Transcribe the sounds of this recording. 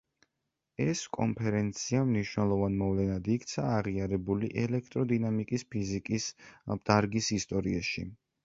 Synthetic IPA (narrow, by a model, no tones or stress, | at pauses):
ɛskʼɔ̰mpʰɛɾɛnt̪sʰiamniʃwnɛlˠɔvanmɔvlɛnad̪ikʰt̪sʰaːʁiaɾɛbuliʔɛlɛk̚ʰt̪ʼɾɔd̪inamikʼispʰizikʼisd̪̥aɾɡisist̪ʼɔɾiaʃḭ